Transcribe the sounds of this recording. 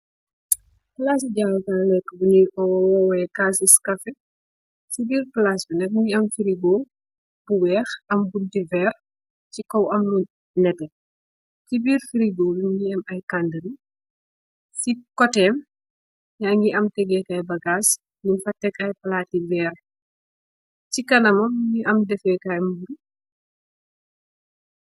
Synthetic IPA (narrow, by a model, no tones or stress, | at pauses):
laːsiɟaːwtalɛkːəbuniːɔwwɔwɛkaːsiskɐfɛ | sibiːrplasbunɛkŋɡiɐmfiɾiɡoː | b̥uwɛːxɐmbundivɛːr | cikɔwɐmlu | nɛtɛ | tibiːrfiɾiɡoːluɲŋɡiɛmɐjkandəni | sikɔtɛːm | jaːŋɡiʔɐmtɛɡɛkɐjbɐɡaːs | ninfɐtːɛkɐjpɐlativɛːr | cikɐnɐmɐmŋiʔɐmdɛfɛkɐjmbuɾ